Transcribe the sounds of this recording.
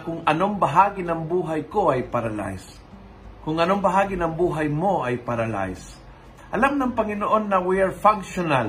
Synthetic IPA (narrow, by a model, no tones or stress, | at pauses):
kʊŋɐnoŋbɐɦaːɡɪnɐŋbuːɦajkoajpaɾala̰js | kʊŋɐnoŋbɐɦaːɡɪnɐŋbuːɦajmoajpaɾala̰js | ʔɐlamnɐŋpɐŋɪnoʔo̞nːɐwiaɹfaŋkʃonal